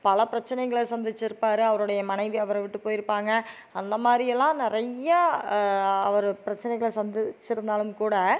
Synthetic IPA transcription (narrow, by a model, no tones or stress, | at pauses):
pɐlɐpɪɾɐt͡ʃːɐnɛɪɣɐɭsɐnd̪ɪt͡ʃːɪɾɯpːaːɾɯɐʋɐɾɯɽɐjɐmɐnɐɪʋiɐʋɐɾʋɪʈːɯpoːjɪɾɯpːaːŋɡɐ | ɐnd̪ɐmaːd̪ɾɪjɛlːãːnɪɾɐjːaː | ɐʋɐɾɯpɪɾɐt͡ʃːɐnɛɪɣɐɭsɐnd̪ɪt͡ʃːɪɾɯnd̪aːlɯmkuːɽɐ